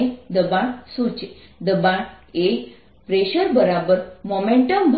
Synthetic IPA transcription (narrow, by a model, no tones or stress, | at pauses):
id̪əbãsut͡ʃe | d̪əbãe | pɾeʃəɾbəɾabəɾmomẽɳʈəmbʱ